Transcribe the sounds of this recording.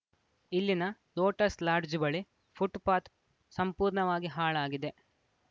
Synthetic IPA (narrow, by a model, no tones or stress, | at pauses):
ilːinɐ | loːʈɐslaːɾd͡ʒubɐɭi | pʰuʈpaːt̪ | sɐmpuːɾɳɐʋaːɡiɦaːɭaːɡid̪e̞